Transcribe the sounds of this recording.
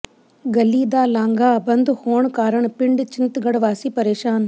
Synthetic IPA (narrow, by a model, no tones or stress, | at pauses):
ɡəliːd̪aːlãːŋɡaːbɐnd̪hoːɳkaːɾəɳpɪɳɖt͡ʃɪnt̪ɡəɽʋaːsiːpəɾeːʃaːn